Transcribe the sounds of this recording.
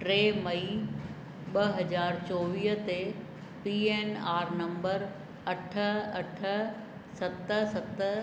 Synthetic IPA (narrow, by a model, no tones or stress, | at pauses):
ʈɾeːmɐi | ɓɐɦɐd͡ʑaːɾt͡ɕoːʋiːɦt̪e | piːeːnaːɾnɐ̃mbəɾ | ɐʈʰə̆ɐʈʰə̆ | sɐt̪əsɐt̪